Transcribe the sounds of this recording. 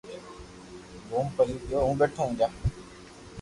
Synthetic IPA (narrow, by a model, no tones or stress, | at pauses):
boːmpəliːjoːɦũːbeːʈʰõːɦũːd͡ʒaː